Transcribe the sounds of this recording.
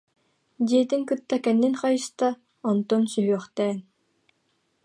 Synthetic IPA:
d̪iɛt̪iŋkɯt̪ːakɛnːinχajɯst̪a | ɔnt̪ɔnsyɦyœχt̪ɛːn

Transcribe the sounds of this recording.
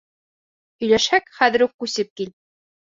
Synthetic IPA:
ɵ̆jlæʃhækχæðɘ̆ɾukːʉsɘp̚kil

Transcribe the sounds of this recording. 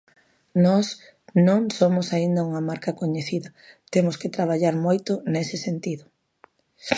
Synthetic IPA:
nɔs | nõŋsomʊsaind̪ɐuŋɐmaɾkɐkoɲeθiðɐt̪emʊskɪt̪ɾaβ̞aʎaɾmojt̪ʊnesɪsent̪iðʊ

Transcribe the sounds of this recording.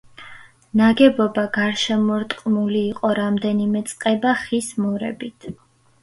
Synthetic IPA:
naɡɛbɔbaɡaɾʃɛmɔɾt̪ʼqʼmuliːqʼɔɾamd̪ɛnimɛt̪sʼqʼɛbaχismɔɾɛ̰bit̪ʰ

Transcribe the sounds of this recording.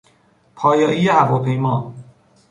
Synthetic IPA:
pʰɒːjɒːʔiːjehævɒːpʰe̞jmɒː

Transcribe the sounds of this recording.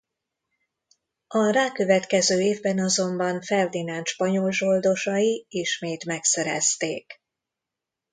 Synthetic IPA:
ɒɾaːkø̞vɛt̪kɛzøːeːvbɛnɒzo̞mbɒɱfɛrd̪inaːnʃpɒɲo̞lʒo̞ld̪o̞ʃɒjiiʃmeːt̪mɛksɛɾɛ̰st̪eːk

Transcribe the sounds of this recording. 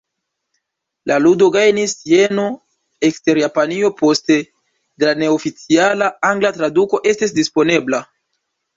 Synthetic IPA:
lʔaludo̞ɡajnisje̞no̞ | ekste̞ɾjapanio̞po̞ste̞ | delane̞ofit͡sialaaŋɡlatɾaduko̞ʔe̞stis̬dispo̞ne̞bla

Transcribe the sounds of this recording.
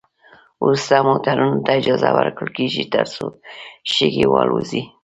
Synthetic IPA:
ust̪amot̪aɾunot̪aɪd͡ʒɑzawəɾkəlkeʒit̪əɾsoʃeɡewɑluzi

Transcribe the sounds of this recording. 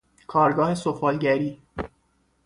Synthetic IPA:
kʰɒːɾɡɒːhe̞sofɒːlɟæɾiː

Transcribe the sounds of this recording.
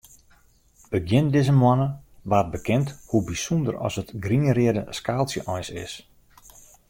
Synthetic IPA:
b̥əɡjɪndɪzəmwɔnəʋaːt̚bəkɪnthubisundə̰ɾɔ̰sətɡriŋərɪədəskaːlˠsjəʔɔjsɪ̰s

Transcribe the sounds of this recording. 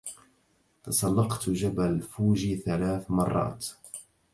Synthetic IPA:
t̪ɑsˤɑlːɑqt̪d͡ʒabalfuːd͡ʒiːθalaːθmɑrˤːɑ̰ːt̪

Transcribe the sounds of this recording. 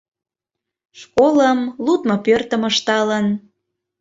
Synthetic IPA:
ʃkoləmlut̪mopørt̪ə̆məʃt̪ɑlən

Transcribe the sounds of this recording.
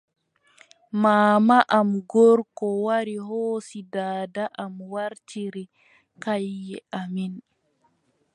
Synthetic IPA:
maːmaʔamɡɔɾkɔwaɾiɦoːsidaːdaʔamwaɾtiɾi | kajːɛamin

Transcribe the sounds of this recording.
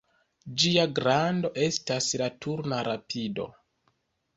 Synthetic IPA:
d͡ʒiaɡɾando̞ʔe̞staslatʰuɾnaɾapʰido̞̰

